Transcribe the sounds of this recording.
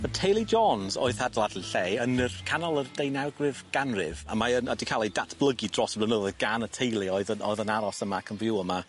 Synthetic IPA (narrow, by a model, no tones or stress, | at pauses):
ətʰejlˠid͡ʒɔnzɔ̰ɨθadlˠadliɬɛənərkʰanɔlˠərd̥ejnawɡwɪvɡ̥anrɪva̰maənadikʰalˠidatʰb̥lˠəɡidrɔsəblənəðəɡ̥anətʰejlˠiɔɨðənɔ̰ɨðənaɾɔsəmakʰənvjuəma